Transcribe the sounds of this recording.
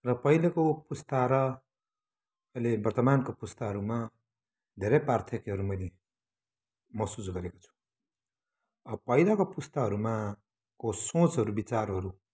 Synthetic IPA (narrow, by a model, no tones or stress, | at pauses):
rʌpʌɦilekopust̪aɾʌ | ʌjlebʌrt̪ʌmankopust̪aɦʌɾuma | d̪ʱeɾʌprart̪ʰjʌkiɦʌɾumʌjle | mʌsusɡʌɾeko̥t͡sʰu̥ | ʌpʌjd̪akopust̪ʌɦʌɾuma | kosõt͡sɦʌɾubit͡sarɦʌɾu